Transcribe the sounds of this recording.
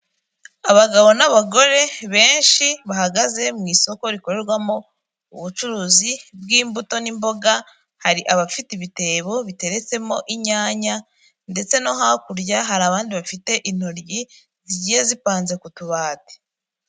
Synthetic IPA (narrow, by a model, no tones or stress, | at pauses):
aβaɡaβo̞naβaɡo̞ɾe̞βe̞ːnʃiβahaɡaze̞mŋiːso̞ko̞ɾiko̞ɾe̞ɾɡwamo̞ | uβut͡ʃuɾuːzibɡiːmbuto̞nimbo̞ɡa | haɾiʔaβafitiβite̞ːβo̞βite̞ɾe̞t͡se̞mo̞ʔiɲaːɲa | nde̞t͡se̞no̞ɦakuɾɟaɦaɾaːβaːndiβafite̞ʔin̥hoɾɟi | ziɟijezipaːnze̞kutuβaːte̥